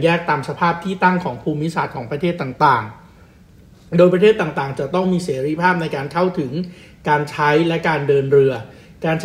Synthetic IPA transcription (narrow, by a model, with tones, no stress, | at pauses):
jɛː˥˩k̚t̪aː˧msa˧pʰaː˥˩p̚t̪ʰiː˥˩t̪a˥˩ŋkʰɔː˩˦ŋpʰuː˧mːi˦˥saː˨˩t̪̚kʰɔː˩˦ŋpɾa˧t̪ʰeː˥˩t̪ːaː˨˩ŋt̪aː˨˩ŋ | doː˧jpɾa˧t̪ʰeː˥˩t̪ːaː˨˩ŋt̪aː˨˩ŋt͡ɕa˨˩t̪ɔ˥˩ŋmiː˧seː˩˦ɾi˦˥˩pʰaː˥˩p̚na˧jkaː˧nkʰa˥˩wt̪ʰɯ˩˦ŋ | kaː˧nt͡ɕʰa˦˥jlɛ˦˥kaː˧ndɤː˧nɾɯ˧ɐ | kaː˧nt͡ɕʰ